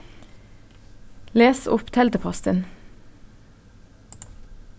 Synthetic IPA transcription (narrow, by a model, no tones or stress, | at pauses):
leːsʊpt̪ʰɛld̪əpʰɔst̪ə̰n